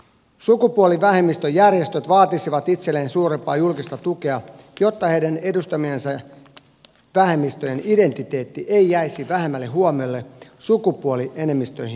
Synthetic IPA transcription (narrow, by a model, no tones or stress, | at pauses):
sukupuoliʋæɦe̞mːist̪øjːærje̞st̪øt̪ʋɑːt̪isiʋɑt̪it̪selːeːnsuːɾempɑːjulkist̪ɑt̪uke̞ɑ | jo̞t̪ːɑhejdæne̞dust̪ɑmiensɑ | ʋæɦe̞mːist̪øjenide̞nt̪it̪e̞ːt̪ːiʔe̞ijæisiʋæɦemːælːeɦuomiolːe̞sukupuoliʔe̞ne̞mːist̪ø̞jhi